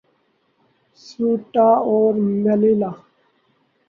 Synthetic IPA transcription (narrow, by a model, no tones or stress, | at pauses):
suʈaoːɾmelila